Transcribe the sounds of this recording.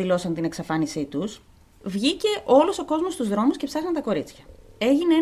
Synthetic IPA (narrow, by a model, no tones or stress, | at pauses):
ilo̞sɐnt̪ine̞ksɐfɐnisit̪us | vʝice̞ʔo̞luso̞ko̞zmost̪uzðɾo̞musce̞psɐsɐnt̪ɐko̞ɾit͡sçɐe̞ʝinee